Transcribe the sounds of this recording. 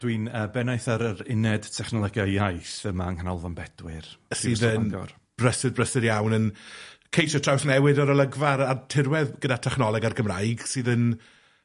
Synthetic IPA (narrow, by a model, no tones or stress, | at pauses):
d̥wiːnəbɛnajθaɾəɾɪnɛd̥tʰɛχnɔlˠɔɡjaajθvɪmaŋkanɔlˠvanbɛdwɪrsɨːðənɔ̰r | b̥rəsɨdbrəsɪɾjawnənkʰejʃɔtʰr̥awθnɛwɪdɔɾəlˠəɡvaɾatʰɪrwɛðɡ̥ədatʰɛχnɔlˠɛɡarɡəmrajɡsɨːðən